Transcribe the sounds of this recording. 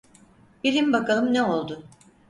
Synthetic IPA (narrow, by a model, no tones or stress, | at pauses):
b̥ilʲimbakalˠɯmneo̞lˠd̪ʊ